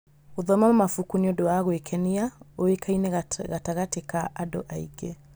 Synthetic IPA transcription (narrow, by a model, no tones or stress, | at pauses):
oðɔmamɔmafukuniɔdoaɣwekʰɛniaowekʰaineɣataɣatekaʔado̰ʔaḭɡe